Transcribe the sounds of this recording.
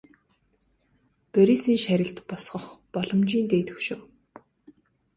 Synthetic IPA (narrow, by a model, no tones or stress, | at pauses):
peɾisiːnʃæɾʲɪ̆ɬt̪pɔsχɞ̆χpɔɮɞ̆mt͡ɕiːnt̪eːt̪ʰɵ̥wʃɘ̆w